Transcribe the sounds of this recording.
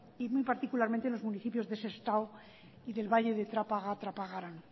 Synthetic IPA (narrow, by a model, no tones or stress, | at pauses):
imujpaɾt̪ikulaɾment̪enlo̞zmuniθipjo̞zðe̞sest̪aw | iðe̞lβaʎe̞ðe̞t̪ɾapaɣat̪ɾapaɣaɾan